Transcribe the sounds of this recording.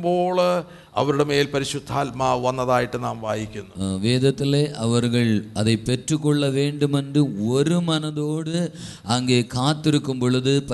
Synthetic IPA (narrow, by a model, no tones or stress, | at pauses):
bo̞ːɭ | ɐ̰ʋɐɾuɽemeːlpɐɾiɕud̪ʱːaːlmaːʋɐnːɐðaːjiʈːɨnaːmʋaːjikʲːunːuʋeːd̪ʱɐt̪ːileʔɐʋɐrɣɐɭɐðepːe̞trukːoɭːɐʋe̞ːɳɖumɐnɖɨo̞ɾumɐnɐðo̞ːɽɨ | ɐŋɡekʰaːt̪ːiɾukːumboɭuðɨp